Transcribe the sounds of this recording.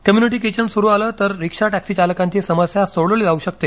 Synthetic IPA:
kəmjuniʈ̬ikeɕənsuɾuːaləːt̪əɾːikʂaʈæksiːt͡ɕaləkãɲt͡ɕiːsəməsjasoɽəliːd͡zauɕək̚t̪e

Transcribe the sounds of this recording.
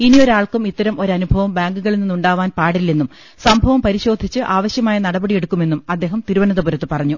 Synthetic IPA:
inijoɾaːɭkumit̪ːɐɾɐmʔo̞ɾɐnubʱɐʋɐmbaːŋɡuɣɐɭininːuɳɖaːʋaːnpaːɽilːenːum | sɐmbʱɐʋɐmpɐɾiɕo̞ːd̪ʱit͡ɕːɨʔaːʋɐɕjɐmaːjɐnɐɽɐbɐɽije̞ɽukːume̞nːumɐd̪ːe̞ːɦɐmt̪iɾuʋɐnɐðɐbuɾɐt̪ːɨpɐrɐɲːu

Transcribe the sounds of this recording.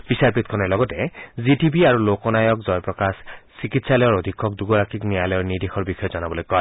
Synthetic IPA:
b̥isaɹpit̪̚kʰɔnɔɹlɔɡɔtɛzitibiaɹulokɔnajɔkzɔjpɹɔkassikitsalɔjɔɹod̪ʱikʰːɔk̚duɡɔɹakʰiknijalɔjɔɹnidexɔɹbixɔjɔzɔnabɔlojkɔj

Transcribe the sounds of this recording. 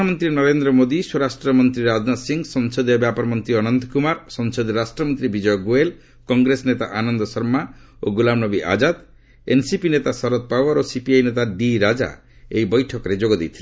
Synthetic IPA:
amɔnt̪ɾinɔɾend̪ɾɔmod̪iswoɾasʈɾɔmɔnt̪ɾiɾad͡ʒnasiŋsɔŋsɔd̪ɔbjapɔɾɔmɔnt̪ɾiɔnɔnt̪kumaɾsɔŋsod̪iɾasʈɾɔmɔnt̪ɾibid͡ʒɔjɔɡoel | kɔŋɡɾesɔnet̪a̰ʔanɔnd̪ɔsɔɾmaoɡulamnɔbiʔa̰d͡ʒad̪ | ensipinet̪asɔɾɔt̪̚pawɔɾosipiajnet̪aɖiɾad͡ʒa̰ | ejbɔjʈʰɔkɔɾed͡ʒoɡɔd̪ejt̪ʰile

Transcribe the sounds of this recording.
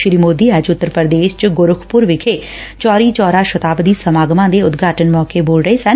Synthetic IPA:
ʃɾiːmoːd̪iːɛːd͡ʒʊt̪ːəɾpəɾd̪eːʃt͡ʃɡʊɾʊkʰpʊɾʋɪkʰeː | t͡ʃɔːɾiːt͡ʃɔːɾaːʃət̪aːbd̪iːsəmaːɡmãːd̪eːʊt̪ɡʱaːʈənmɔːkeːboːlɾəeːsən

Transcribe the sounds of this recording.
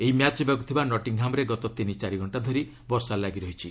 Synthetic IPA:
eɦimjat͡ʃbjɔɡut̪ʰibanɔʈiŋɦamɔɾeɡɔt̪ɔt̪init͡ʃaɾiɡʱɔɳʈad̪ʱɔɾi | bɔɾsalaɡiɾɔɦit͡ʃʰi

